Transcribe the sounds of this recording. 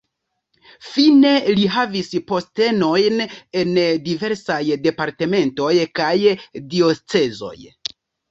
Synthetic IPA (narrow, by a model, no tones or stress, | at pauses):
fine̞liɦavispo̞ste̞no̞jne̞ndive̞ɾsajde̞paɾte̞me̞nto̞jkajdio̞t͡se̞zo̞̰j